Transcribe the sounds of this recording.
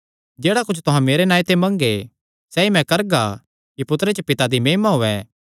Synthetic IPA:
d͡ʒeːɽakʊt͡ʃʰt̪ʊɦãmeːɾenaːit̪ẽmɐ̃ŋɡe | sɛːimɛ̃kɐɾɡa | kipʊt̪ɾet͡ʃəpɪt̪ad̪imeːɦmaɦʊːɛː

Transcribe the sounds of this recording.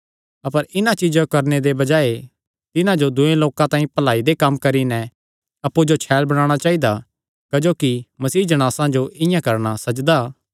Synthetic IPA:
ɐpəɾɪnãt͡ʃɪd͡ʒãkɐɾned̪ebɐd͡ʒaːe | t̪ɪnãd͡ʒod̪ʊẽloːkãt̪aːĩpɐlaːid̪ekɐmːkɐɾinɛ̃ | ɐpːud͡ʒot͡ʃʰɛːlbɐɽ̃aːɽ̃at͡ʃaːid̪a | kɐd͡ʒoːkimɐsiːd͡ʒɐɽ̃aːsãd͡ʒoʔɪ̃jãkɐɾɽ̃asɐd͡ʒd̪a

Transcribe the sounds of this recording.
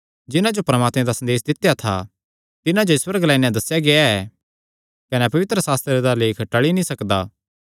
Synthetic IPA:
d͡ʒɪnãd͡ʒopɾɐmaːt̪mẽd̪asɐ̃nd̪eːs̬d̪ɪt̪jat̪ʰa̰ | t̪ɪnãd͡ʒoɪswəɾəɡlaːinjãd̪ɐsjaɡeaɛ | kɐnɛpɐʋɪt̪ɾəsaːst̪ɾed̪aleːkʰʈɐɭinĩsɐkd̪a̰ː

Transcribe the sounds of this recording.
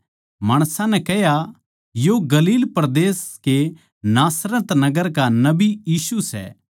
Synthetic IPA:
maːɽ̃sãnɛ̃kɛɦja | joɡɐliːlpɾɐd̪eːske | naːsɾə̃t̪nɐɡəɾkanɐbijiːsusɛ̰ː

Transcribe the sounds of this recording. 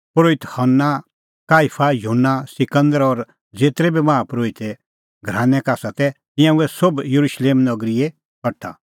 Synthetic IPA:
pɾoːɪt̪hɐnːa | kaːipʰajunːasɪkə̃nd̪əɾɔɾ | d͡zeːt̪ɾɛbimãːãpɾoːɪt̪ɛ | ɡʱɾãːnɛ̃kaːsat̪ɛt̪ɪ̃jãuɛsobjɐɾuʃleːmnɐɡɾie | kɐʈʰːa̰

